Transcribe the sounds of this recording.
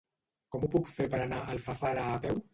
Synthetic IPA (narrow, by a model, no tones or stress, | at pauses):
kɔmupukfeɾpəɾanaʔəlˠfafaɾaːpɛw